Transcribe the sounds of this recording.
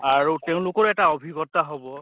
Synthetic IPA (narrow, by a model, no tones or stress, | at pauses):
aɹuteʊ̃lʊkɔɹɛtaɔbʱiɡɔt̪aɦɔbɔ